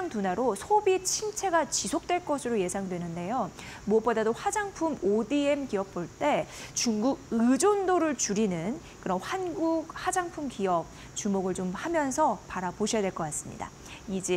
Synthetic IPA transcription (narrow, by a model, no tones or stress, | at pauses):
ŋtunaɾosʰobit͡ɕʰimt͡ɕʰe̞ɡat͡ɕisʰok̚t͈we̞ɭk͈ʌsʰɯɾoje̞sʰaŋdwe̞nɯnde̞jo | mwʌp͈odadoɸwad͡ʑaŋpʰumodie̞mkiʌp̚p͈oɭt͈e̞t͡ɕuŋɡuɡ̚ɯd͡ʑondoɾɯɭt͡ɕuɾinɯn | kɯɾʌnɸanɡuk̚had͡ʑaŋpʰumkiʌp̚ | t͡ɕumoɡɯɭt͡ɕomhamjʌnsʰʌpaɾapoɕʰijadwe̞ɭk͈ʌk͈as͈ɯ̥mɲḭda̰ | id͡ʑe